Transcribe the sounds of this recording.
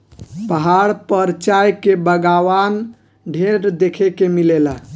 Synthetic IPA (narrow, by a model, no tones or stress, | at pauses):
pəɦaɽpəɾt͡ʃajkebəɡawan | ɖʱeɾd̪ekʰekemilela